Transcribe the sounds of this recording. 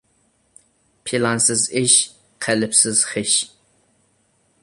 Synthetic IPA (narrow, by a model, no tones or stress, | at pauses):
pʰilɑnsɨziʃ | qʰɛlɨpsɨzχɪʃ